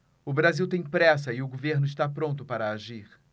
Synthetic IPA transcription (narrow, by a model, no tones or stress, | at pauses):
ʊbɾaziwt̪ẽj̃pɾɛsɐɪʊɡoveɾnʊɪʃt̪apɾõnt̪ʊpaɾɐaʒiɾ